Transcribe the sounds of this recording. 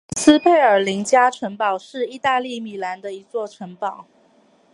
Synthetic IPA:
sɹ̩˥pʰe˥˩ɪə˞˨˩li˧˥ŋt͡ɕja˥ʈ͡ʂʰwə˧˥npɑ˨˩ʊʂɻ̩˥˧i˥˧t̪a˥˧li˥˩mi˨˩la˧˥nd̪ə˧i˧˥t͡swɔ˥˩ʈ͡ʂʰwə˧˥ŋpɑ˨˩˦ʊ

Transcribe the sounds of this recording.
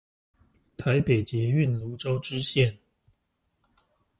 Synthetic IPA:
t̪ʰa˧˦˥ɪpe˨˩ɪt͡ɕjɛ˨˥y˥˨nlu˧˥ʈ͡ʂo˥ʊʈ͡ʂɻ̩˥ɕjɛ˥˨n

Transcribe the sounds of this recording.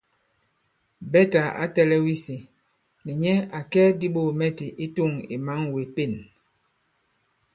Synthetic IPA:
bɛ˦ta˨a̰˦tɛ˦lɛ˦wi˦si˨ | ni˨ɲɛ˦a˨kɛ˦di˦ɓo˦˨mɛ˦ti˨ʔi˦tu˦˨ŋḭ˨ma˦ŋwe˨pe˦˨n

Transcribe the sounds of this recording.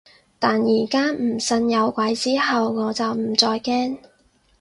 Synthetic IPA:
t̪aː˨njiː˨˩kaː˥m̩˨˩sɐ˧njɐ˨˧wkʷɐ˨˥jt͡siː˥ɦɐ˨wŋɔː˨˧t͡sɐ˨wm̩˨˩t͡sɔː˧jkɛː˥ŋ

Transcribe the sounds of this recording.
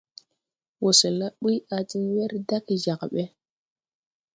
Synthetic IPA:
wo˨se˨la˦ɓi˦a˨t͡si˦n˦we˦ɾda˦kʒa˨kɓe˦

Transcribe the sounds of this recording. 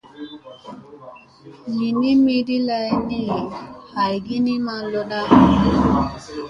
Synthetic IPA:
mi˨ni˦mi˦di˦la˨jni˦ha˨jɡi˦ni˦ma˨lɔ˦ɗa˦

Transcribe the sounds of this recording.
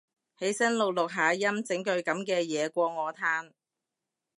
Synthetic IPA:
he˨˥jsɐ˥nlʊ˨k̚lʊ˨k̚ɦaː˨˧jɐ˥mt͡sɪ˨˥ŋkɵ˧ɥkɐ˨˥mkɛː˧jɛː˨˧kʷɔː˧ŋɔː˨˧t̪ʰaː˥n

